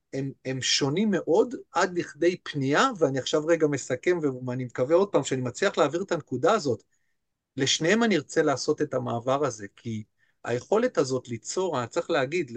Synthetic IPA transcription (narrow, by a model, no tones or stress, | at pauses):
eme̞mʃo̞nimːe̞ʔo̞dʔadliχde̞jpniaveaniaχʃavʁe̞ɡame̞sake̞mveanimekave̞o̞d̚paːmʃeanimat͡sliaχlaːviʁet̪ankudaːzo̞t | le̞ʃnehe̞maniʁt͡se̞laːso̞te̞tamaːvaʁaze̞kʰi | a̰je̞χo̞le̞tazo̞tlit͡so̞ʁanat͡sχleaɡid